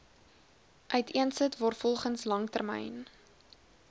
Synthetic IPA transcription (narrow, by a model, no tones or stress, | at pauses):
ʔœɥtʰiənsətvɔrtfɔlˠχənslɐŋtərmɛ̰jn